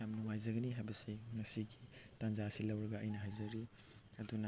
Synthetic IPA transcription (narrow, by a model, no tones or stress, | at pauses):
amnuŋajzɐɡɐniɦajbɐsiŋɐsiɡitanzaɐsilɐwɾɐɡɐɐjnɐɦajzɐɾi | ɐdunɐ